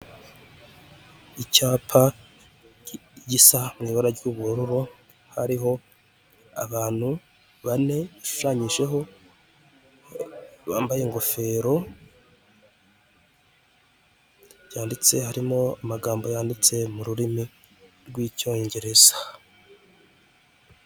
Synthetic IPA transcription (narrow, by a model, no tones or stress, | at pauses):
icaːpʰa | ɟisamŋiːβaɾaɾɟuβuɾuɾo | haɾiɦo̞ | a̰βaːn̥hu | βane̞βaʃu̥ʃaːɲiʒe̞ɦo̞ | βaːmbaje̞ŋɡo̞fe̞ɾo̞ | jaːndit͡se̞haɾimo̞amaɡaːmbo̞jaːndit͡se̞muɾuɾimi | ɾɡwiːco̞ːɲɟe̞ɾe̞z̥ḁ